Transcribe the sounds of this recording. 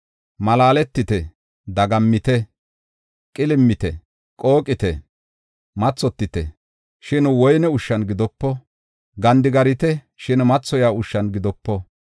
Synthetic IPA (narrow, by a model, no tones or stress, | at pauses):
mɐlaːlɛt̪ːɪt̪ɛ | d̪ɐɡɐmːɪt̪ɛ | kʼɪlɪmːɪt̪ɛ | kʼo̞ːkʼːɪt̪ɛ | mɐt͡sːɔt̪ːɪt̪ɛ̰ | ʃɪnwɔjnɛʊʃːɐnɡɪd̪ɔpːɔ | ɡɐnd̪ɪɡɐɾɪt̪ɛ | ʃɪnmɐt͡sːɔjaːʊʃːɐnɡɪd̪ɔpːɔ